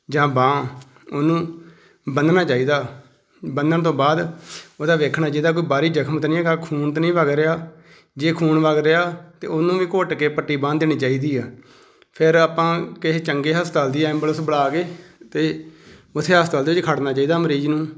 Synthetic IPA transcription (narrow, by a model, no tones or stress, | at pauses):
d͡ʒãːbãː | oːnũː | bənd̪nãːt͡ʃaːiːd̪aː | bənd̪əɳt̪õːbaːd̪oːd̪aːʋeːkʰnaːd͡ʒeːd̪aːk̬oːiːbaːɾiːd͡ʒəkʰmət̪nĩːɡaːkʰuːnt̪ːnĩːʋəɡɾɪaː | d͡ʒeːkʰuːnʋəɡɾɪaːt̪ḛːoːnũːʋĩːkoːʈkeːpəʈːiːbãːd̪eːñiːt͡ʃaːiːd̪iːɛː | pʰɪɾaːpãːkɪɦet͡ʃəŋɡeːɦəst̪aːld̪iːɛɛ̃mbləsbəɽaːkeːt̪eːʊt̪ʰːeːɦəst̪aːld̪ːɪt͡ʃkʰəɽnãːt͡ʃaːiːd̪aːməɾiːd͡ʒnũː